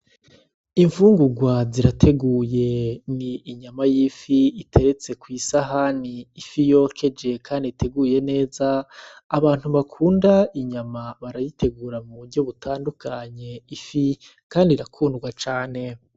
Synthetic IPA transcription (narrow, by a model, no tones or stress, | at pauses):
iɱfuːŋɡuɡwaziɾatʰe̞ɡuːje̞niːɲamajiːfiitʰe̞ɾe̞t͡se̞kwiːsaɦaniːfijo̞kʰe̞d͡ʒe̞kʰaːndiitʰe̞ɡuje̞ne̞ːzaːβaːn̥huβakʰuːndaiɲamaβaɾajitʰe̞ɡuːɾamuβuɾɟo̞βutʰaːndukʰaɲe̞ifi | kaːndiɾakʰuːndɡwat͡ʃaːne̞